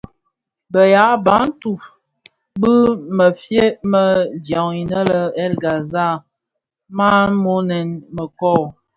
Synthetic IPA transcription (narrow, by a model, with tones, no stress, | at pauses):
bə˨ja˨˦ba˨˦n̩˦tu˨ | bə˦mə˨fje˦mə˨dja˨ŋi˨nə˦lə˨ɛ˦lɡa˨za˦˨ | ma˦mo˦nɛ˨nmə˨kɔ˦˨